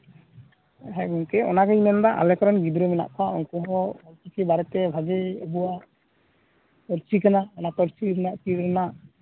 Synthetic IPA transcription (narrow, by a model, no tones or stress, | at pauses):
ɦɛɡuŋkɛʔɔ̰nakaimɛnd̪aʔa̰lɛkɔɾɔnɡid̪ɾɔmɛna̰ʔkʰɔaʔuŋkuɦɔɔlt͡ʃikibaɾɛt̪ɛbʱaɡɛɔbuwaʔ | pɔɾt͡ʃikanaɔnat̪ɔɾt͡ʃiɾnaʔt͡ʃiɾɾɛnaʔ